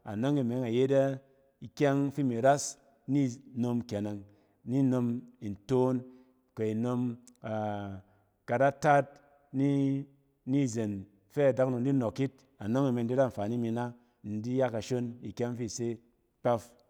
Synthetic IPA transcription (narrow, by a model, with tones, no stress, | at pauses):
a̰˨no˦ŋi˨me˨˦ŋa˨je˦da˦ | i˨kʲa˦ŋfi˦mi˨ɾa˦s | ni˦no˧mkʲe˨ne˨ŋ | ni˦no˧mi˨n˨to˦n | ke˨i˨no˧m | a˨ | ka˨da˦ta˦t̚ | ni˦ | ni˦˨ze˨n | fe˦a˨da˦kno˨n̩˦di˦no˨kːi˦t̚ | a˨no˦ŋi˨me˧n˦di˦da˦˨ɱ̩˨fa˨ni˦mi˧na˦ | n̩˨di˦ja˦ka˨ʃo˦ni˨kʲa˦ŋfi˦˨se˦ | k͡pa˦f